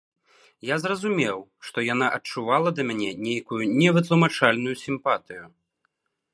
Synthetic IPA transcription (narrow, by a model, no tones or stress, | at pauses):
jazrɐzumʲɛwʂt̪ɔjanaʔɐt͡ʂuvalˠɐd̪ɐmʲanʲɛnʲejkujunʲɛvɨt̪lˠumat͡ʂalʲnujusʲimpat̪ɨju